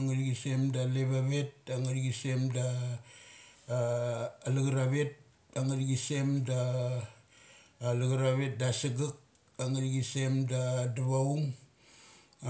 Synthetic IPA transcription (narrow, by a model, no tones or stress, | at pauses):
ŋaɾɡise̞mdaleβaβe̞t̚aŋaɾɡise̞mda | liɡɾaβe̞t̚ | aŋaɾiɡise̞mda | luɡaɾaβe̞t̚dasiɡak̚ | aŋaɾiɡise̞mdaduβauŋ